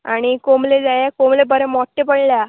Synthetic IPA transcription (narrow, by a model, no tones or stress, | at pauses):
aɽ̃ikomled͡zajakomlebəɾemɔʈːepəɽlja